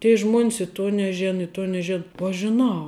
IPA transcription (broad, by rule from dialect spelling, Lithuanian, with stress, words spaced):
tʲiɛ ˈʒmuɔnʲs ɪ ˈtuɔ nʲɛˈʒʲeːnɐ ɪ ˈtuɔ nʲɛˈʒʲeːn uɔ ˈɐʃ ʒʲɪˈnɐʊ